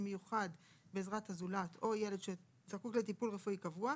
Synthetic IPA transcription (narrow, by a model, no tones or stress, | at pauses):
mejuχad | beːzʁathazulatʰo̞jeledʃe | zakukletipulʁefuikavua